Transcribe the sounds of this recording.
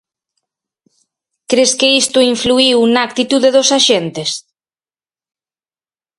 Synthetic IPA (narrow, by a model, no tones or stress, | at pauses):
kɾeskɪist̪ʊiɱfluiwnak̚t̪it̪uðeðoʊsaʃent̪ɪs